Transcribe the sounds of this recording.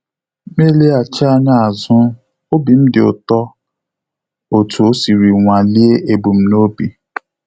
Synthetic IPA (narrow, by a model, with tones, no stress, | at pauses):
me˦le˦a˨t͡ʃa˦n˦a˨zʊ˦ | o˦bi˨m̩˦dɪ˨ʊ̰˨tɔ˦ | o˨tʰu˨o˦si˨ɾi˨ŋʷa˨li˦e˦ʔe˨bu˨m̩˦no˦bi˨